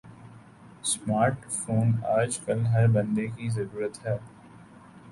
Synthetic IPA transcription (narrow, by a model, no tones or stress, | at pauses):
smaːɾʈfoːnaːd͡ʒkɐlɦɐɾbɐ̃nd̪ekizɐɾuːɾət̪ɦɛː